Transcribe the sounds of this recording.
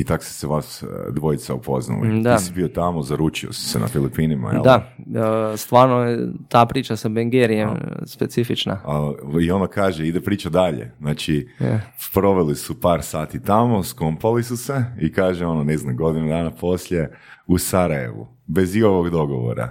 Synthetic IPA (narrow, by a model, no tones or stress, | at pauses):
it̪akse̥seʋasd̪ʋo̞it̪saupʰo̞̰zna̰lḭd̪aisibiot̪amozaɾut͡ʃio̰si̥sḛna̰filipinima̰jḛld̪a | st̪ʋaːɾnojet̪aːpɾiːt͡ʃasabeŋɡeɾiemspetsifit͡ʃna̰aio̞nd̪akaːʒeid̪epɾiːt͡ʃad̪aʎḛznaːt͡ʃi | pɾo̞ʋelisupaːɾsaːt̪it̪amo̞skompalisuse̞ikaːʒeo̞noneznamɡo̞d̪inud̪aːnapo̞sʎʲe̞ | usaɾaje̞̰ʋṵ | be̞zioʋoɡd̪o̞ɡoʋo̰ɾa̰